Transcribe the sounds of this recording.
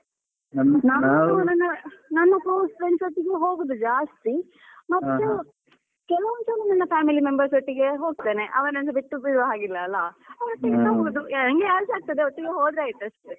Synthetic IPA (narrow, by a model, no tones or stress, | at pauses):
naːnuunɐnːɐnɐnːukoːspɾensoʈːiɡeɦo̞ːɡud̪ud͡ʒaːst̪i | mɐt̪ːu | kɛlɐʋɐnsɐnːɐnɐnːɐpʰaːmilimembɐɾsoʈːiɡe̞ɦo̞ːɡ̚t̪eːne̞ʔɐʋɐnɐnɡ̪ɐbiʈːubiɾaːɡilːɐːlːɐɐɐʈːeɐnɐɦoɡud̪uɐŋɡeaːɾsaːɡ̚t̪ɐd̪eɔʈːiɡeɦoːd̪ɾeaːjt̪uɐʂʈe